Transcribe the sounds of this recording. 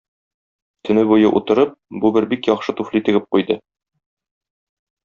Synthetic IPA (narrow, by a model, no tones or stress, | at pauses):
t̪ɵ̆nɘbujɤʔṵt̪ɤ̆ɾɤp̚bubɘɾbikjɒqʃɤt̪uflit̪ɘ̆ɡɘp̚qujd̪ɤ